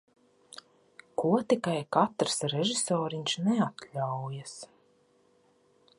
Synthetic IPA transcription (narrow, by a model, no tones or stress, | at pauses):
kuɔt̪ikajkat̪ɾsɾɛʒisɔːɾiɲʲʃnɛat̪lʲawjas